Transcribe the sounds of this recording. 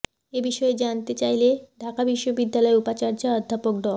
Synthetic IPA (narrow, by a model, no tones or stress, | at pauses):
ebiʃɔed͡ʑant̪et͡ɕajleɖʱakabiʃːobid̪ːalɔeupat͡ɕaɾd͡ʑaɔd̪ʱːapok̚ɖ̪ɔl